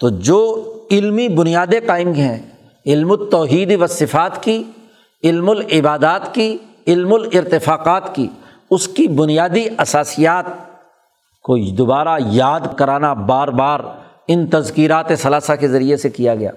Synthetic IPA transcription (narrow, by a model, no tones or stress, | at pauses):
t̪oːd͡ʒoːɪlmibʊnijaːd̪eqaːɪmkɦɛ̃ | ɪlmʊt̪ɔːɦiːd̪iʋɐsɪfaːt̪ki | ɪlmʊlɪbaːd̪aːt̪ki | ɪlmʊlɪɾt̪ɪfaːqaːt̪ki | ʊskibʊnijaːd̪iʔɐsaːsijaːt̪̚ | kod̪ʊbaːɾajaːd̪kɐɾaːnabaːɾbaːɾ | ɪnt̪ɐzkiːɾaːt̪esɐlaːsakezɐɾiesekijaɡɐja̰ː